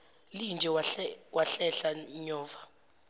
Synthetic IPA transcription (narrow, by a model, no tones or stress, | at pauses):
lind͡ʒʱɛwʔaɬɛɬaɲɔːva